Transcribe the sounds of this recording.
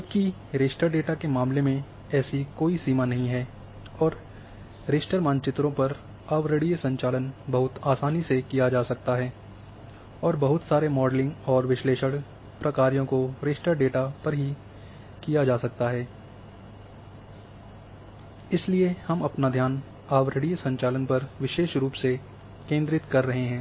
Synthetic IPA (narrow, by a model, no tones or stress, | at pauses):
d͡ʒɐbki | ɾeːsʈəɾɖeːʈakemaːmlemẽ | ɛːsikoːisiːmanɐɦĩɦɛː | ɔːɾ | ɾeːsʈəɾmãːnt͡ʃɪt̪ɾõpɐɾ | ɐʋɾəɽiəsɐ̃ɲt͡ʃaːlənbɐɦʊt̪aːsaːnisekijad͡ʒaːsɐk̚t̪aɦɛː | ɔːɾbɐɦʊt̪saːɾemɔːɖlɪ̃ŋɡɔːɾʋɪʃleːʃəɽ | pɾɐkaːɾijõkoɾeːsʈəɾɖeːʈapɐɾɦi | kijad͡ʒaːsɐk̚t̪aɦɛː | ɪsliehɐmɐpnad̪ʱjaːn | aːʋɾəɽijsɐ̃ɲt͡ʃaːlənpɐɾʋɪʃeːʃɾuːpse | kẽːnd̪ɾɪt̪kɐɾːɐɦeɦɛ̃ː